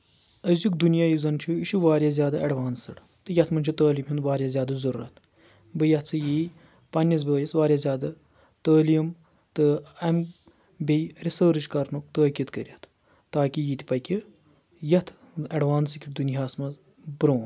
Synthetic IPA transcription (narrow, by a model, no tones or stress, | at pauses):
ɐzjukd̪unjaːjizɐnt͡ʃʰuiʃuʋaːɾʲjaːzʲjaːd̪aʔɐɖʋaːnsɨɽ | t̪ɨjɐt̪ʰmɐnt͡ʃʰut̪əːliːmʲind̪ʋaːɾjaːzʲjaːd̪ɐzɐɾɾɐ̰t̪ʰ | bɨjɐt̪ʰt͡sʰɨjiː | pɐnʲjɐzbəːjɐsʋaːɾʲjaːzʲaːd̪ɐ | t̪əːlijm | t̪ɨɐm | bejɾisəːɾɨt͡ʃkɐɾnuk̚t̪əːkʲit̪kəɾʲijɐt̪ʰ | t̪ːaːkijiːt̪ʲi̥pɐkʲi | jɐt̪ʰ | ɐɖʋaːnsɨkʲiʈd̪unjaːsmɐz | bɾoːn